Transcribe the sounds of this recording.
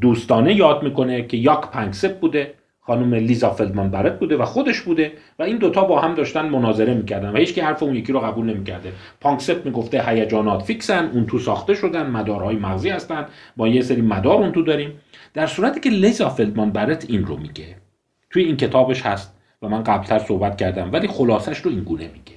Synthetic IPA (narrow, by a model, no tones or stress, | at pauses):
d̪uːst̪ɒːne̞jɒːd̪miːko̞nekʰe̞jɒkpʰæŋksep̚buːd̪e | xɒːnuːmeliːzɒfeld̪mɑnbæɾet̪̚buːd̪e̞væxo̞d̪e̞ʃbuːd̪e | væiːnd̪ot̪ʰɒːbɒːhæmd̪ɒːʃt̪ænd̪monɒːze̞ɾe̞miːcʰæɾd̪ænvæhiːt͡ʃkihæɾfeunjecʰiːɾoɣæbuːlne̞miːcʰæɾd̪e | pʰɒːŋkset̪̚miːɡo̞ft̪ehæjæd͡ʒɒːnɒːt̪fiːksænd̪ʔunt̪ʰusɒːxt̪e̞ʃo̞d̪ænd̪mæd̪ɒːɾhɒːjemæɣziːhæst̪ænd̪bɒːjeseɾiːmæd̪ɒːɾuːnt̪ud̪ɒːɾiːmd̪̥æɾsuːɾæt̪ʰiːcʰe̞lizɒfeld̪mɒnbæɾet̪ʰinro̰miːɟe | t̪ʰujeiːncʰe̞t̪ʰɒːbe̞ʃhæst̪̚ | væmænɢæblt̪ʰæɾso̞hbæt̪̚cʰæɾd̪æmvæliːxolɒːsæʃɾoiŋɡuːne̞miːɟ̥e